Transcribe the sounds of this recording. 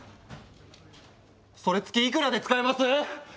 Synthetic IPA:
so̞ɾe̞t͡sɨ̥kʲiːk̬ɯ̟ɾad̪e̞t͡sɨ̥kaimasɨ

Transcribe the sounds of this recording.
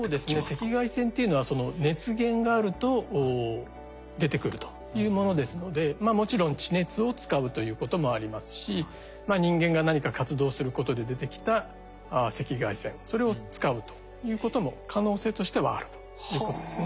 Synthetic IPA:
soːd̪e̞sɨne̞se̞kʲiɡaisẽ̞nt̪e̞iɯ̟no̞βaso̞no̞ne̞t͡sɨɡẽ̞ŋɡaːɾɯ̟t̪o̞ | d̪e̞t̪e̞kɯ̟ɾɯ̟t̪o̥ | jɯ̟ːmo̞no̞d̪e̞sɨno̞d̪e̞mamo̞t͡ɕiɾõ̞ɲt͡ɕine̞t͡sɨo̞t͡sɨ̥kaɯ̟t̪o̞jɯ̟ːko̞t̪o̞mo̞aɾʲimasɨ̥ɕi | maɲ̟ĩŋɡẽ̞ŋɡanaɲ̟ikakat͡sɨd̪o̞ːsɨɾɯ̟ko̞t̪o̞d̪e̞d̪e̞t̪e̞kʲi̥t̪a | se̞kʲiɡaisẽ̞ɴso̞ɾe̞o̞t͡sɨ̥kaɯ̟t̪o̥ | jɯ̟ːko̞t̪o̞mo̞kʰano̞ːse̞ːt̪o̞ɕi̥t̪e̞βa̰ːɾɯ̟t̪o̥ | jɯ̟ːko̞t̪o̞d̪e̞sɨne

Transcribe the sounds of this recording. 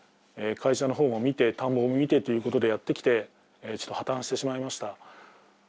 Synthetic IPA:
ekʰaiɕano̞ɦo̞ːmo̞mʲit̪e̞t̪ãmbo̞ːmomʲit̪e̞t̪o̞jɯ̟ːko̞t̪o̞d̪e̞jat̪ːe̞kʲi̥t̪e̞ | t͡ɕot̪ːohat̪ãɰ̃ɕi̥t̪e̞ɕimaimaɕi̥t̪a

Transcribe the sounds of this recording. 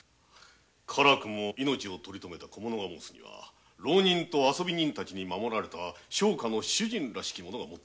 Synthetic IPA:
kʰaɾakɯ̟mo̞ino̞t͡ɕio̞t̪o̞ɾʲit̪o̞me̞t̪ako̞mo̞no̞ɡamoːsɨ̥ɲ̟ḭβa̰ | ɾoːɲ̟ĩnt̪o̞aso̞bʲiɲ̟ĩnt̪at͡ɕiɲ̟imamo̞ɾaɾe̞t̪aɕo̞ːkano̞ɕɨʑĩnɾaɕi̥kʲimo̞no̞ɡamot̪ː

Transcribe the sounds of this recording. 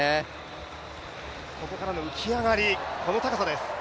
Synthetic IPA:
e | ko̞ko̞kaɾano̞ɯ̟t͡ɕiaɡaɾʲikʰo̞no̞t̪akasad̪e̞sɨ̥

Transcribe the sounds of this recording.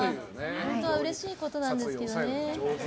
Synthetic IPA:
hõnt̪o̞βaɯ̟ɾe̞ɕiːko̞t̪o̞nãnd̪e̞sɨ̥ke̞d̪o̞ne̞

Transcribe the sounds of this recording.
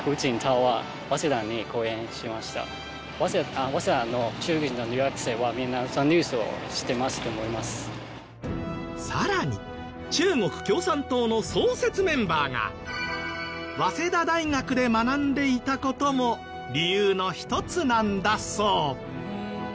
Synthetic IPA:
kɯ̟t͡ɕĩnt̪ʰaβa | βase̞d̪ãɲ̟ːiko̞ːẽ̞ɰ̃ɕimaɕi̥t̪a̰ | βaeaβased̪anːo̞t͡ɕɨːɡinːoɾʲiɡakɯ̟̥se̞ːβamʲĩnːasãɲɾʲɨːsɨo̰ɕi̥t̪e̞masɨ̥t̪omoɾimasɨ̥ | saɾaɲ̟ḭ | t͡ɕɨːŋo̞kɯ̟̥kʲo̞ːsãnt̪o̞ːno̞so̞ːse̞t͡sɨmẽ̞mbaːŋa̰ | βase̞d̪ad̪aiŋakɯ̟d̪e̞manãnd̪e̞it̪ako̞t̪o̞mo̞ | ɾʲijɯːno̞çi̥t̪o̞t͡sɨnãnd̪aso̞ː

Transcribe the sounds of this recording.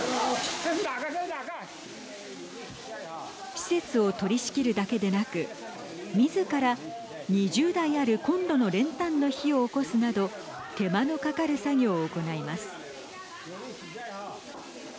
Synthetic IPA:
ɕi̥se̞t͡sɨo̞t̪o̞ɾʲiɕi̥kʲiɾɯ̟d̪ake̞d̪e̞nakɯ̟ | mʲizɨkaɾa | ɲ̟iʑɨːd̪aiaɾɯ̟kõ̞nd̪o̞no̞ɾẽ̞nt̪ãnːo̞çio̞ːko̞sɨnad̪o̞ | t̪e̞mano̞kakaɾɯ̟saɡʲo̞ːko̞naimasɨ̥

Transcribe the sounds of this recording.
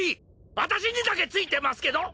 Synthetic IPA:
i | βat̪aɕ̬iɲ̟id̪ake̞t͡sɨit̪e̞masɨ̥ke̞d̪o̞

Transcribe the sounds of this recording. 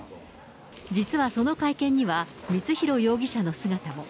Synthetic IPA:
d͡ʑit͡sɨβaso̞no̞kaikẽ̞ɲ̟ːiβa | mʲit͡sɨçiɾo̞jo̞ːɡʲiɕano̞sɨɡat̪amo̞

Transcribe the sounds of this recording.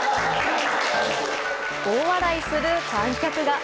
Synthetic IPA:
ɡ̥oːβad̪aisɨɾɯ̟kãŋkʲakɯ̟ɡa

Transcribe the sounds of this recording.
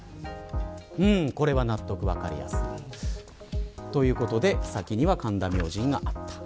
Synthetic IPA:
ɯ̟̃ːɴko̞ɾe̞βanat̪ːo̞kɯ̟βa̰ka̰ɾʲḭja̰sɨ̥̰i | t̪o̞jɯ̟ːko̞t̪o̞d̪e̞sakʲiɲ̟iβakãnd̪amʲjo̞ːʑĩŋɡaʔat̪ːḁ

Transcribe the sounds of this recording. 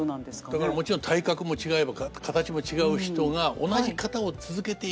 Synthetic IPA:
d̪akaɾamo̞t͡ɕiɾont̪ʰaikakɯ̟mo̞t͡ɕiɡae̞bakkʰat̪at͡ɕimo̞t͡ɕiɡaɯ̟çi̥t̪o̞ɡao̞̰naʑikat̪ao̞t͡sɨzɨke̞t̪e̞

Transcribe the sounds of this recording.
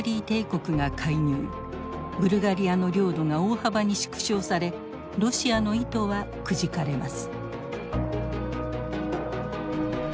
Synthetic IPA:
ɾʲiːt̪e̞ːko̞kɯ̟ŋakʰaiɲ̟ɨː | bɯ̟ɾɯ̟ɡaɾʲiano̞ɾʲo̞ːd̪o̞ŋao̞ːhabaɲ̟iɕi̥kɯ̥ɕo̞ːsaɾe̞ | ɾo̞ɕiano̞it̪o̞βa | kɯ̟ʑikaɾe̞masɨ̥

